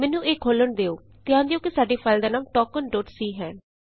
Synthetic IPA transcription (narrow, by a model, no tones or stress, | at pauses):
mɛːnːũːʔeːkʰoːləɳd̪eːoː | t̪ɪjãːd̪eoːkɪsaːɖeːpʰaːld̪eːnãːmʈɔːkənɖoːʈsiːɦɛ̃ː